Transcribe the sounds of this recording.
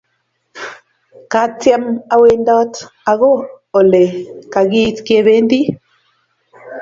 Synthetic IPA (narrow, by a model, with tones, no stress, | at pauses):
ka˨˦tja˦ma˨we˦ndɔ˦ta˨ɣo˦ | o˨le˨ka˨ɣi˦tke˦βe˦ndi˦